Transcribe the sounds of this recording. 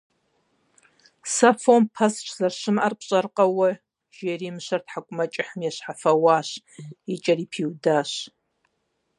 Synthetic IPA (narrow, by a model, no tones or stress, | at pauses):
safompʰast͡ʃʰzarʃɨmarpʰɕʼɐrqʼawɐ | ʒ̥erimʃʷartʰħakʷʼʊmɐt͡ʃʼɪħəmjaʃʷħafɐwaʃ | it͡ʃʼɐripʰiwdaʃ